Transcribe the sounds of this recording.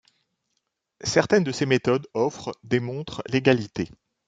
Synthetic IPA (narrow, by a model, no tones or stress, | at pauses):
sɛʁt̪ɛnd̪əsemet̪ɔd̪ɔfχd̪emɔ̃t̪χleɡalit̪e